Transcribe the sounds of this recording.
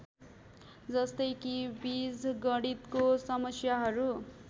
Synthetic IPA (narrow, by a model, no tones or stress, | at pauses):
d͡zʌst̪ʌjkibid͡zɡʌɽit̪kosʌmʌsjaɦʌɾu